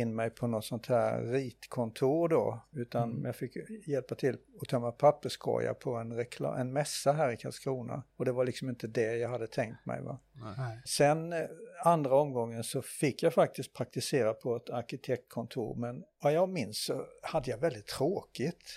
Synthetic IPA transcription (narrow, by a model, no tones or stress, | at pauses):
ɪnːmɛjpʰɔnɔt̪sɔnt̪hæːɾɾiːt̪kʰɔnt̪ʰuːɾd̪ɔ̰ʉ̟ːt̪anjɑɡfɪkːjɛlpat̪ʰɪlɔt̪ʰœmːapʰapːəʂkʰɔ̰ja̰pʰɔɛnɾɛkʰl̰ːʔɛnmɛsːaɦæːɾɪkʰalskɾuːna̰ɔd̪ɛvaɾlɪksɔmɪnt̪əd̪ɛjɑɡɦad̪ːət̪ʰɛŋkt̪mɛ̰jva̰ | sɛnand̪ɾaɔmɡɔŋːənsɔfɪkːjafak̚t̪ɪst̪̚pʰɾak̚t̪ɪseːɾapʰɔɛt̪ʰaɾkɪt̪ʰɛk̚t̪̚kʰɔnt̪ʰṵːɾmɛnvajɑːɡmɪnsːɔhad̪ːəjɑvɛld̪ɪt̪ʰːɾoːkɪt̪